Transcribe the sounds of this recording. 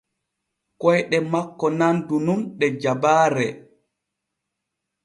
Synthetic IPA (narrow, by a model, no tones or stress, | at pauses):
kɔjɗɛmakːɔnandununɗɛd͡ʒabaːɾɛ